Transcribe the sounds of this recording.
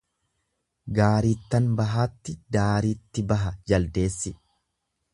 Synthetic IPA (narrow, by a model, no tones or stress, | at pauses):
ɡaːɾiːt̪ːɐnbɐɦaːt̪ːɪd̪aːɾiːt̪ːɪbɐɦɐd͡ʒɐld̪e̞ːsːɪ